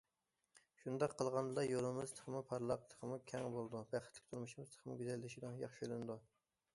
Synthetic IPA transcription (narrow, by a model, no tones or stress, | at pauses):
ʃund̪ɑqʰːəlˠʁɑnd̪ɨlˠɑjolˠɨmɪzt̪ʰə̥χʰəmupʰɑɾlˠɑq̚t̪ʰə̥qʰmukʲʰɛŋbolˠd̪ubæχɪt̪ʰlɪ̥kʲt̪uɾmuʃimɪzt̪ʰə̥χʰəmʊɡʲyzɛlːɪʃid̪ɨŋjɑχʃølˠɪnɨd̪u